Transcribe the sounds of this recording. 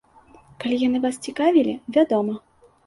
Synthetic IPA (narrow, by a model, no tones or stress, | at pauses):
kalʲijanɨvast͡sʲikavʲilʲivʲad̪ɔmɐ